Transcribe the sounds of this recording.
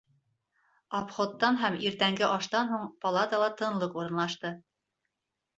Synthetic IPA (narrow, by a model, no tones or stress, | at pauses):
ɑpχot̪ːɑnɦæmiɾt̪æŋɡɘʔɑʃt̪ɑnɦuɴpɐlˠɑt̪əlˠɑt̪ɤ̆nlˠɤquɾɤ̆nlˠɑʃt̪ɤ